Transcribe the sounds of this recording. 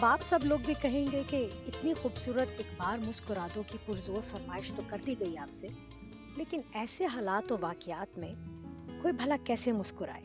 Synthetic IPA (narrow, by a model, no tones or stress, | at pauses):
baːpsɐbloːɡbʱikɐɦẽːŋɡekeɪt̪nixuːbsuːɾət̪ɪkbaːɾmʊskʊɾaːd̪õkipʊɾzoːɾfɐɾmaːɪʃt̪okɐɾd̪iɡɐiaːpse | leːkɪnɛːseɦaːlaːt̪ɔːʋaːkɪjaːt̪mẽkoːibʱɐlakɛːsemʊskʊɾa̰ːḛː